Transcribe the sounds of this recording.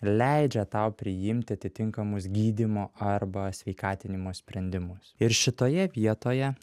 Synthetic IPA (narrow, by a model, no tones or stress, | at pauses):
lʲɛɪd͡ʒʲɛt̪ɐʊpʲɾʲɪjɪmʲt̪ʲɪɐt̪ʲɪt̪ʲɪŋkɐmʊsɡʲiːd̪ʲɪmoːʔɐɾbɐsʲʋʲɛɪkɑːt̪ʲɪnʲɪmoːsʲpʲɾʲɛnʲd̪ʲɪmʊsɪɾʃʲɪt̪oːjɛʋʲiɛt̪oːjɛ